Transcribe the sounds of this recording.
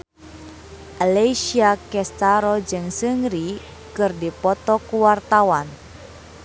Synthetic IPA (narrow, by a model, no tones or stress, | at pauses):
ʔaleisiakɛst̪aɾɔd͡ʒɨŋsɨŋɾi | kɨrdipɔt̪ɔkuwart̪awan